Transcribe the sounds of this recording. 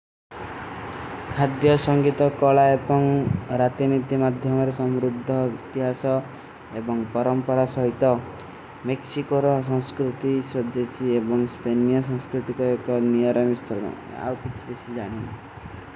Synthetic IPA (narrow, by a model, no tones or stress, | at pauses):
kʰad̪jɔsɔŋɡit̪ɔkɔɭaebɔŋɾat̪init̪imad̪ʱjɔmɔɾesɔmɾud̪ʱːɔit̪iɦasɔ | ebɔŋpɔɾɔmpɔɾasɔɦit̪ɔ | meksikoɾɔsɔ̃ŋskɾut̪isɔd̪esiebɔŋspenijɔsɔ̃ŋskɾut̪ikɔekɔnijɔɾɔmist̪ɔɾɔ̰ | a̰wkit͡ʃʰibesid͡ʒaɽ̃ina̰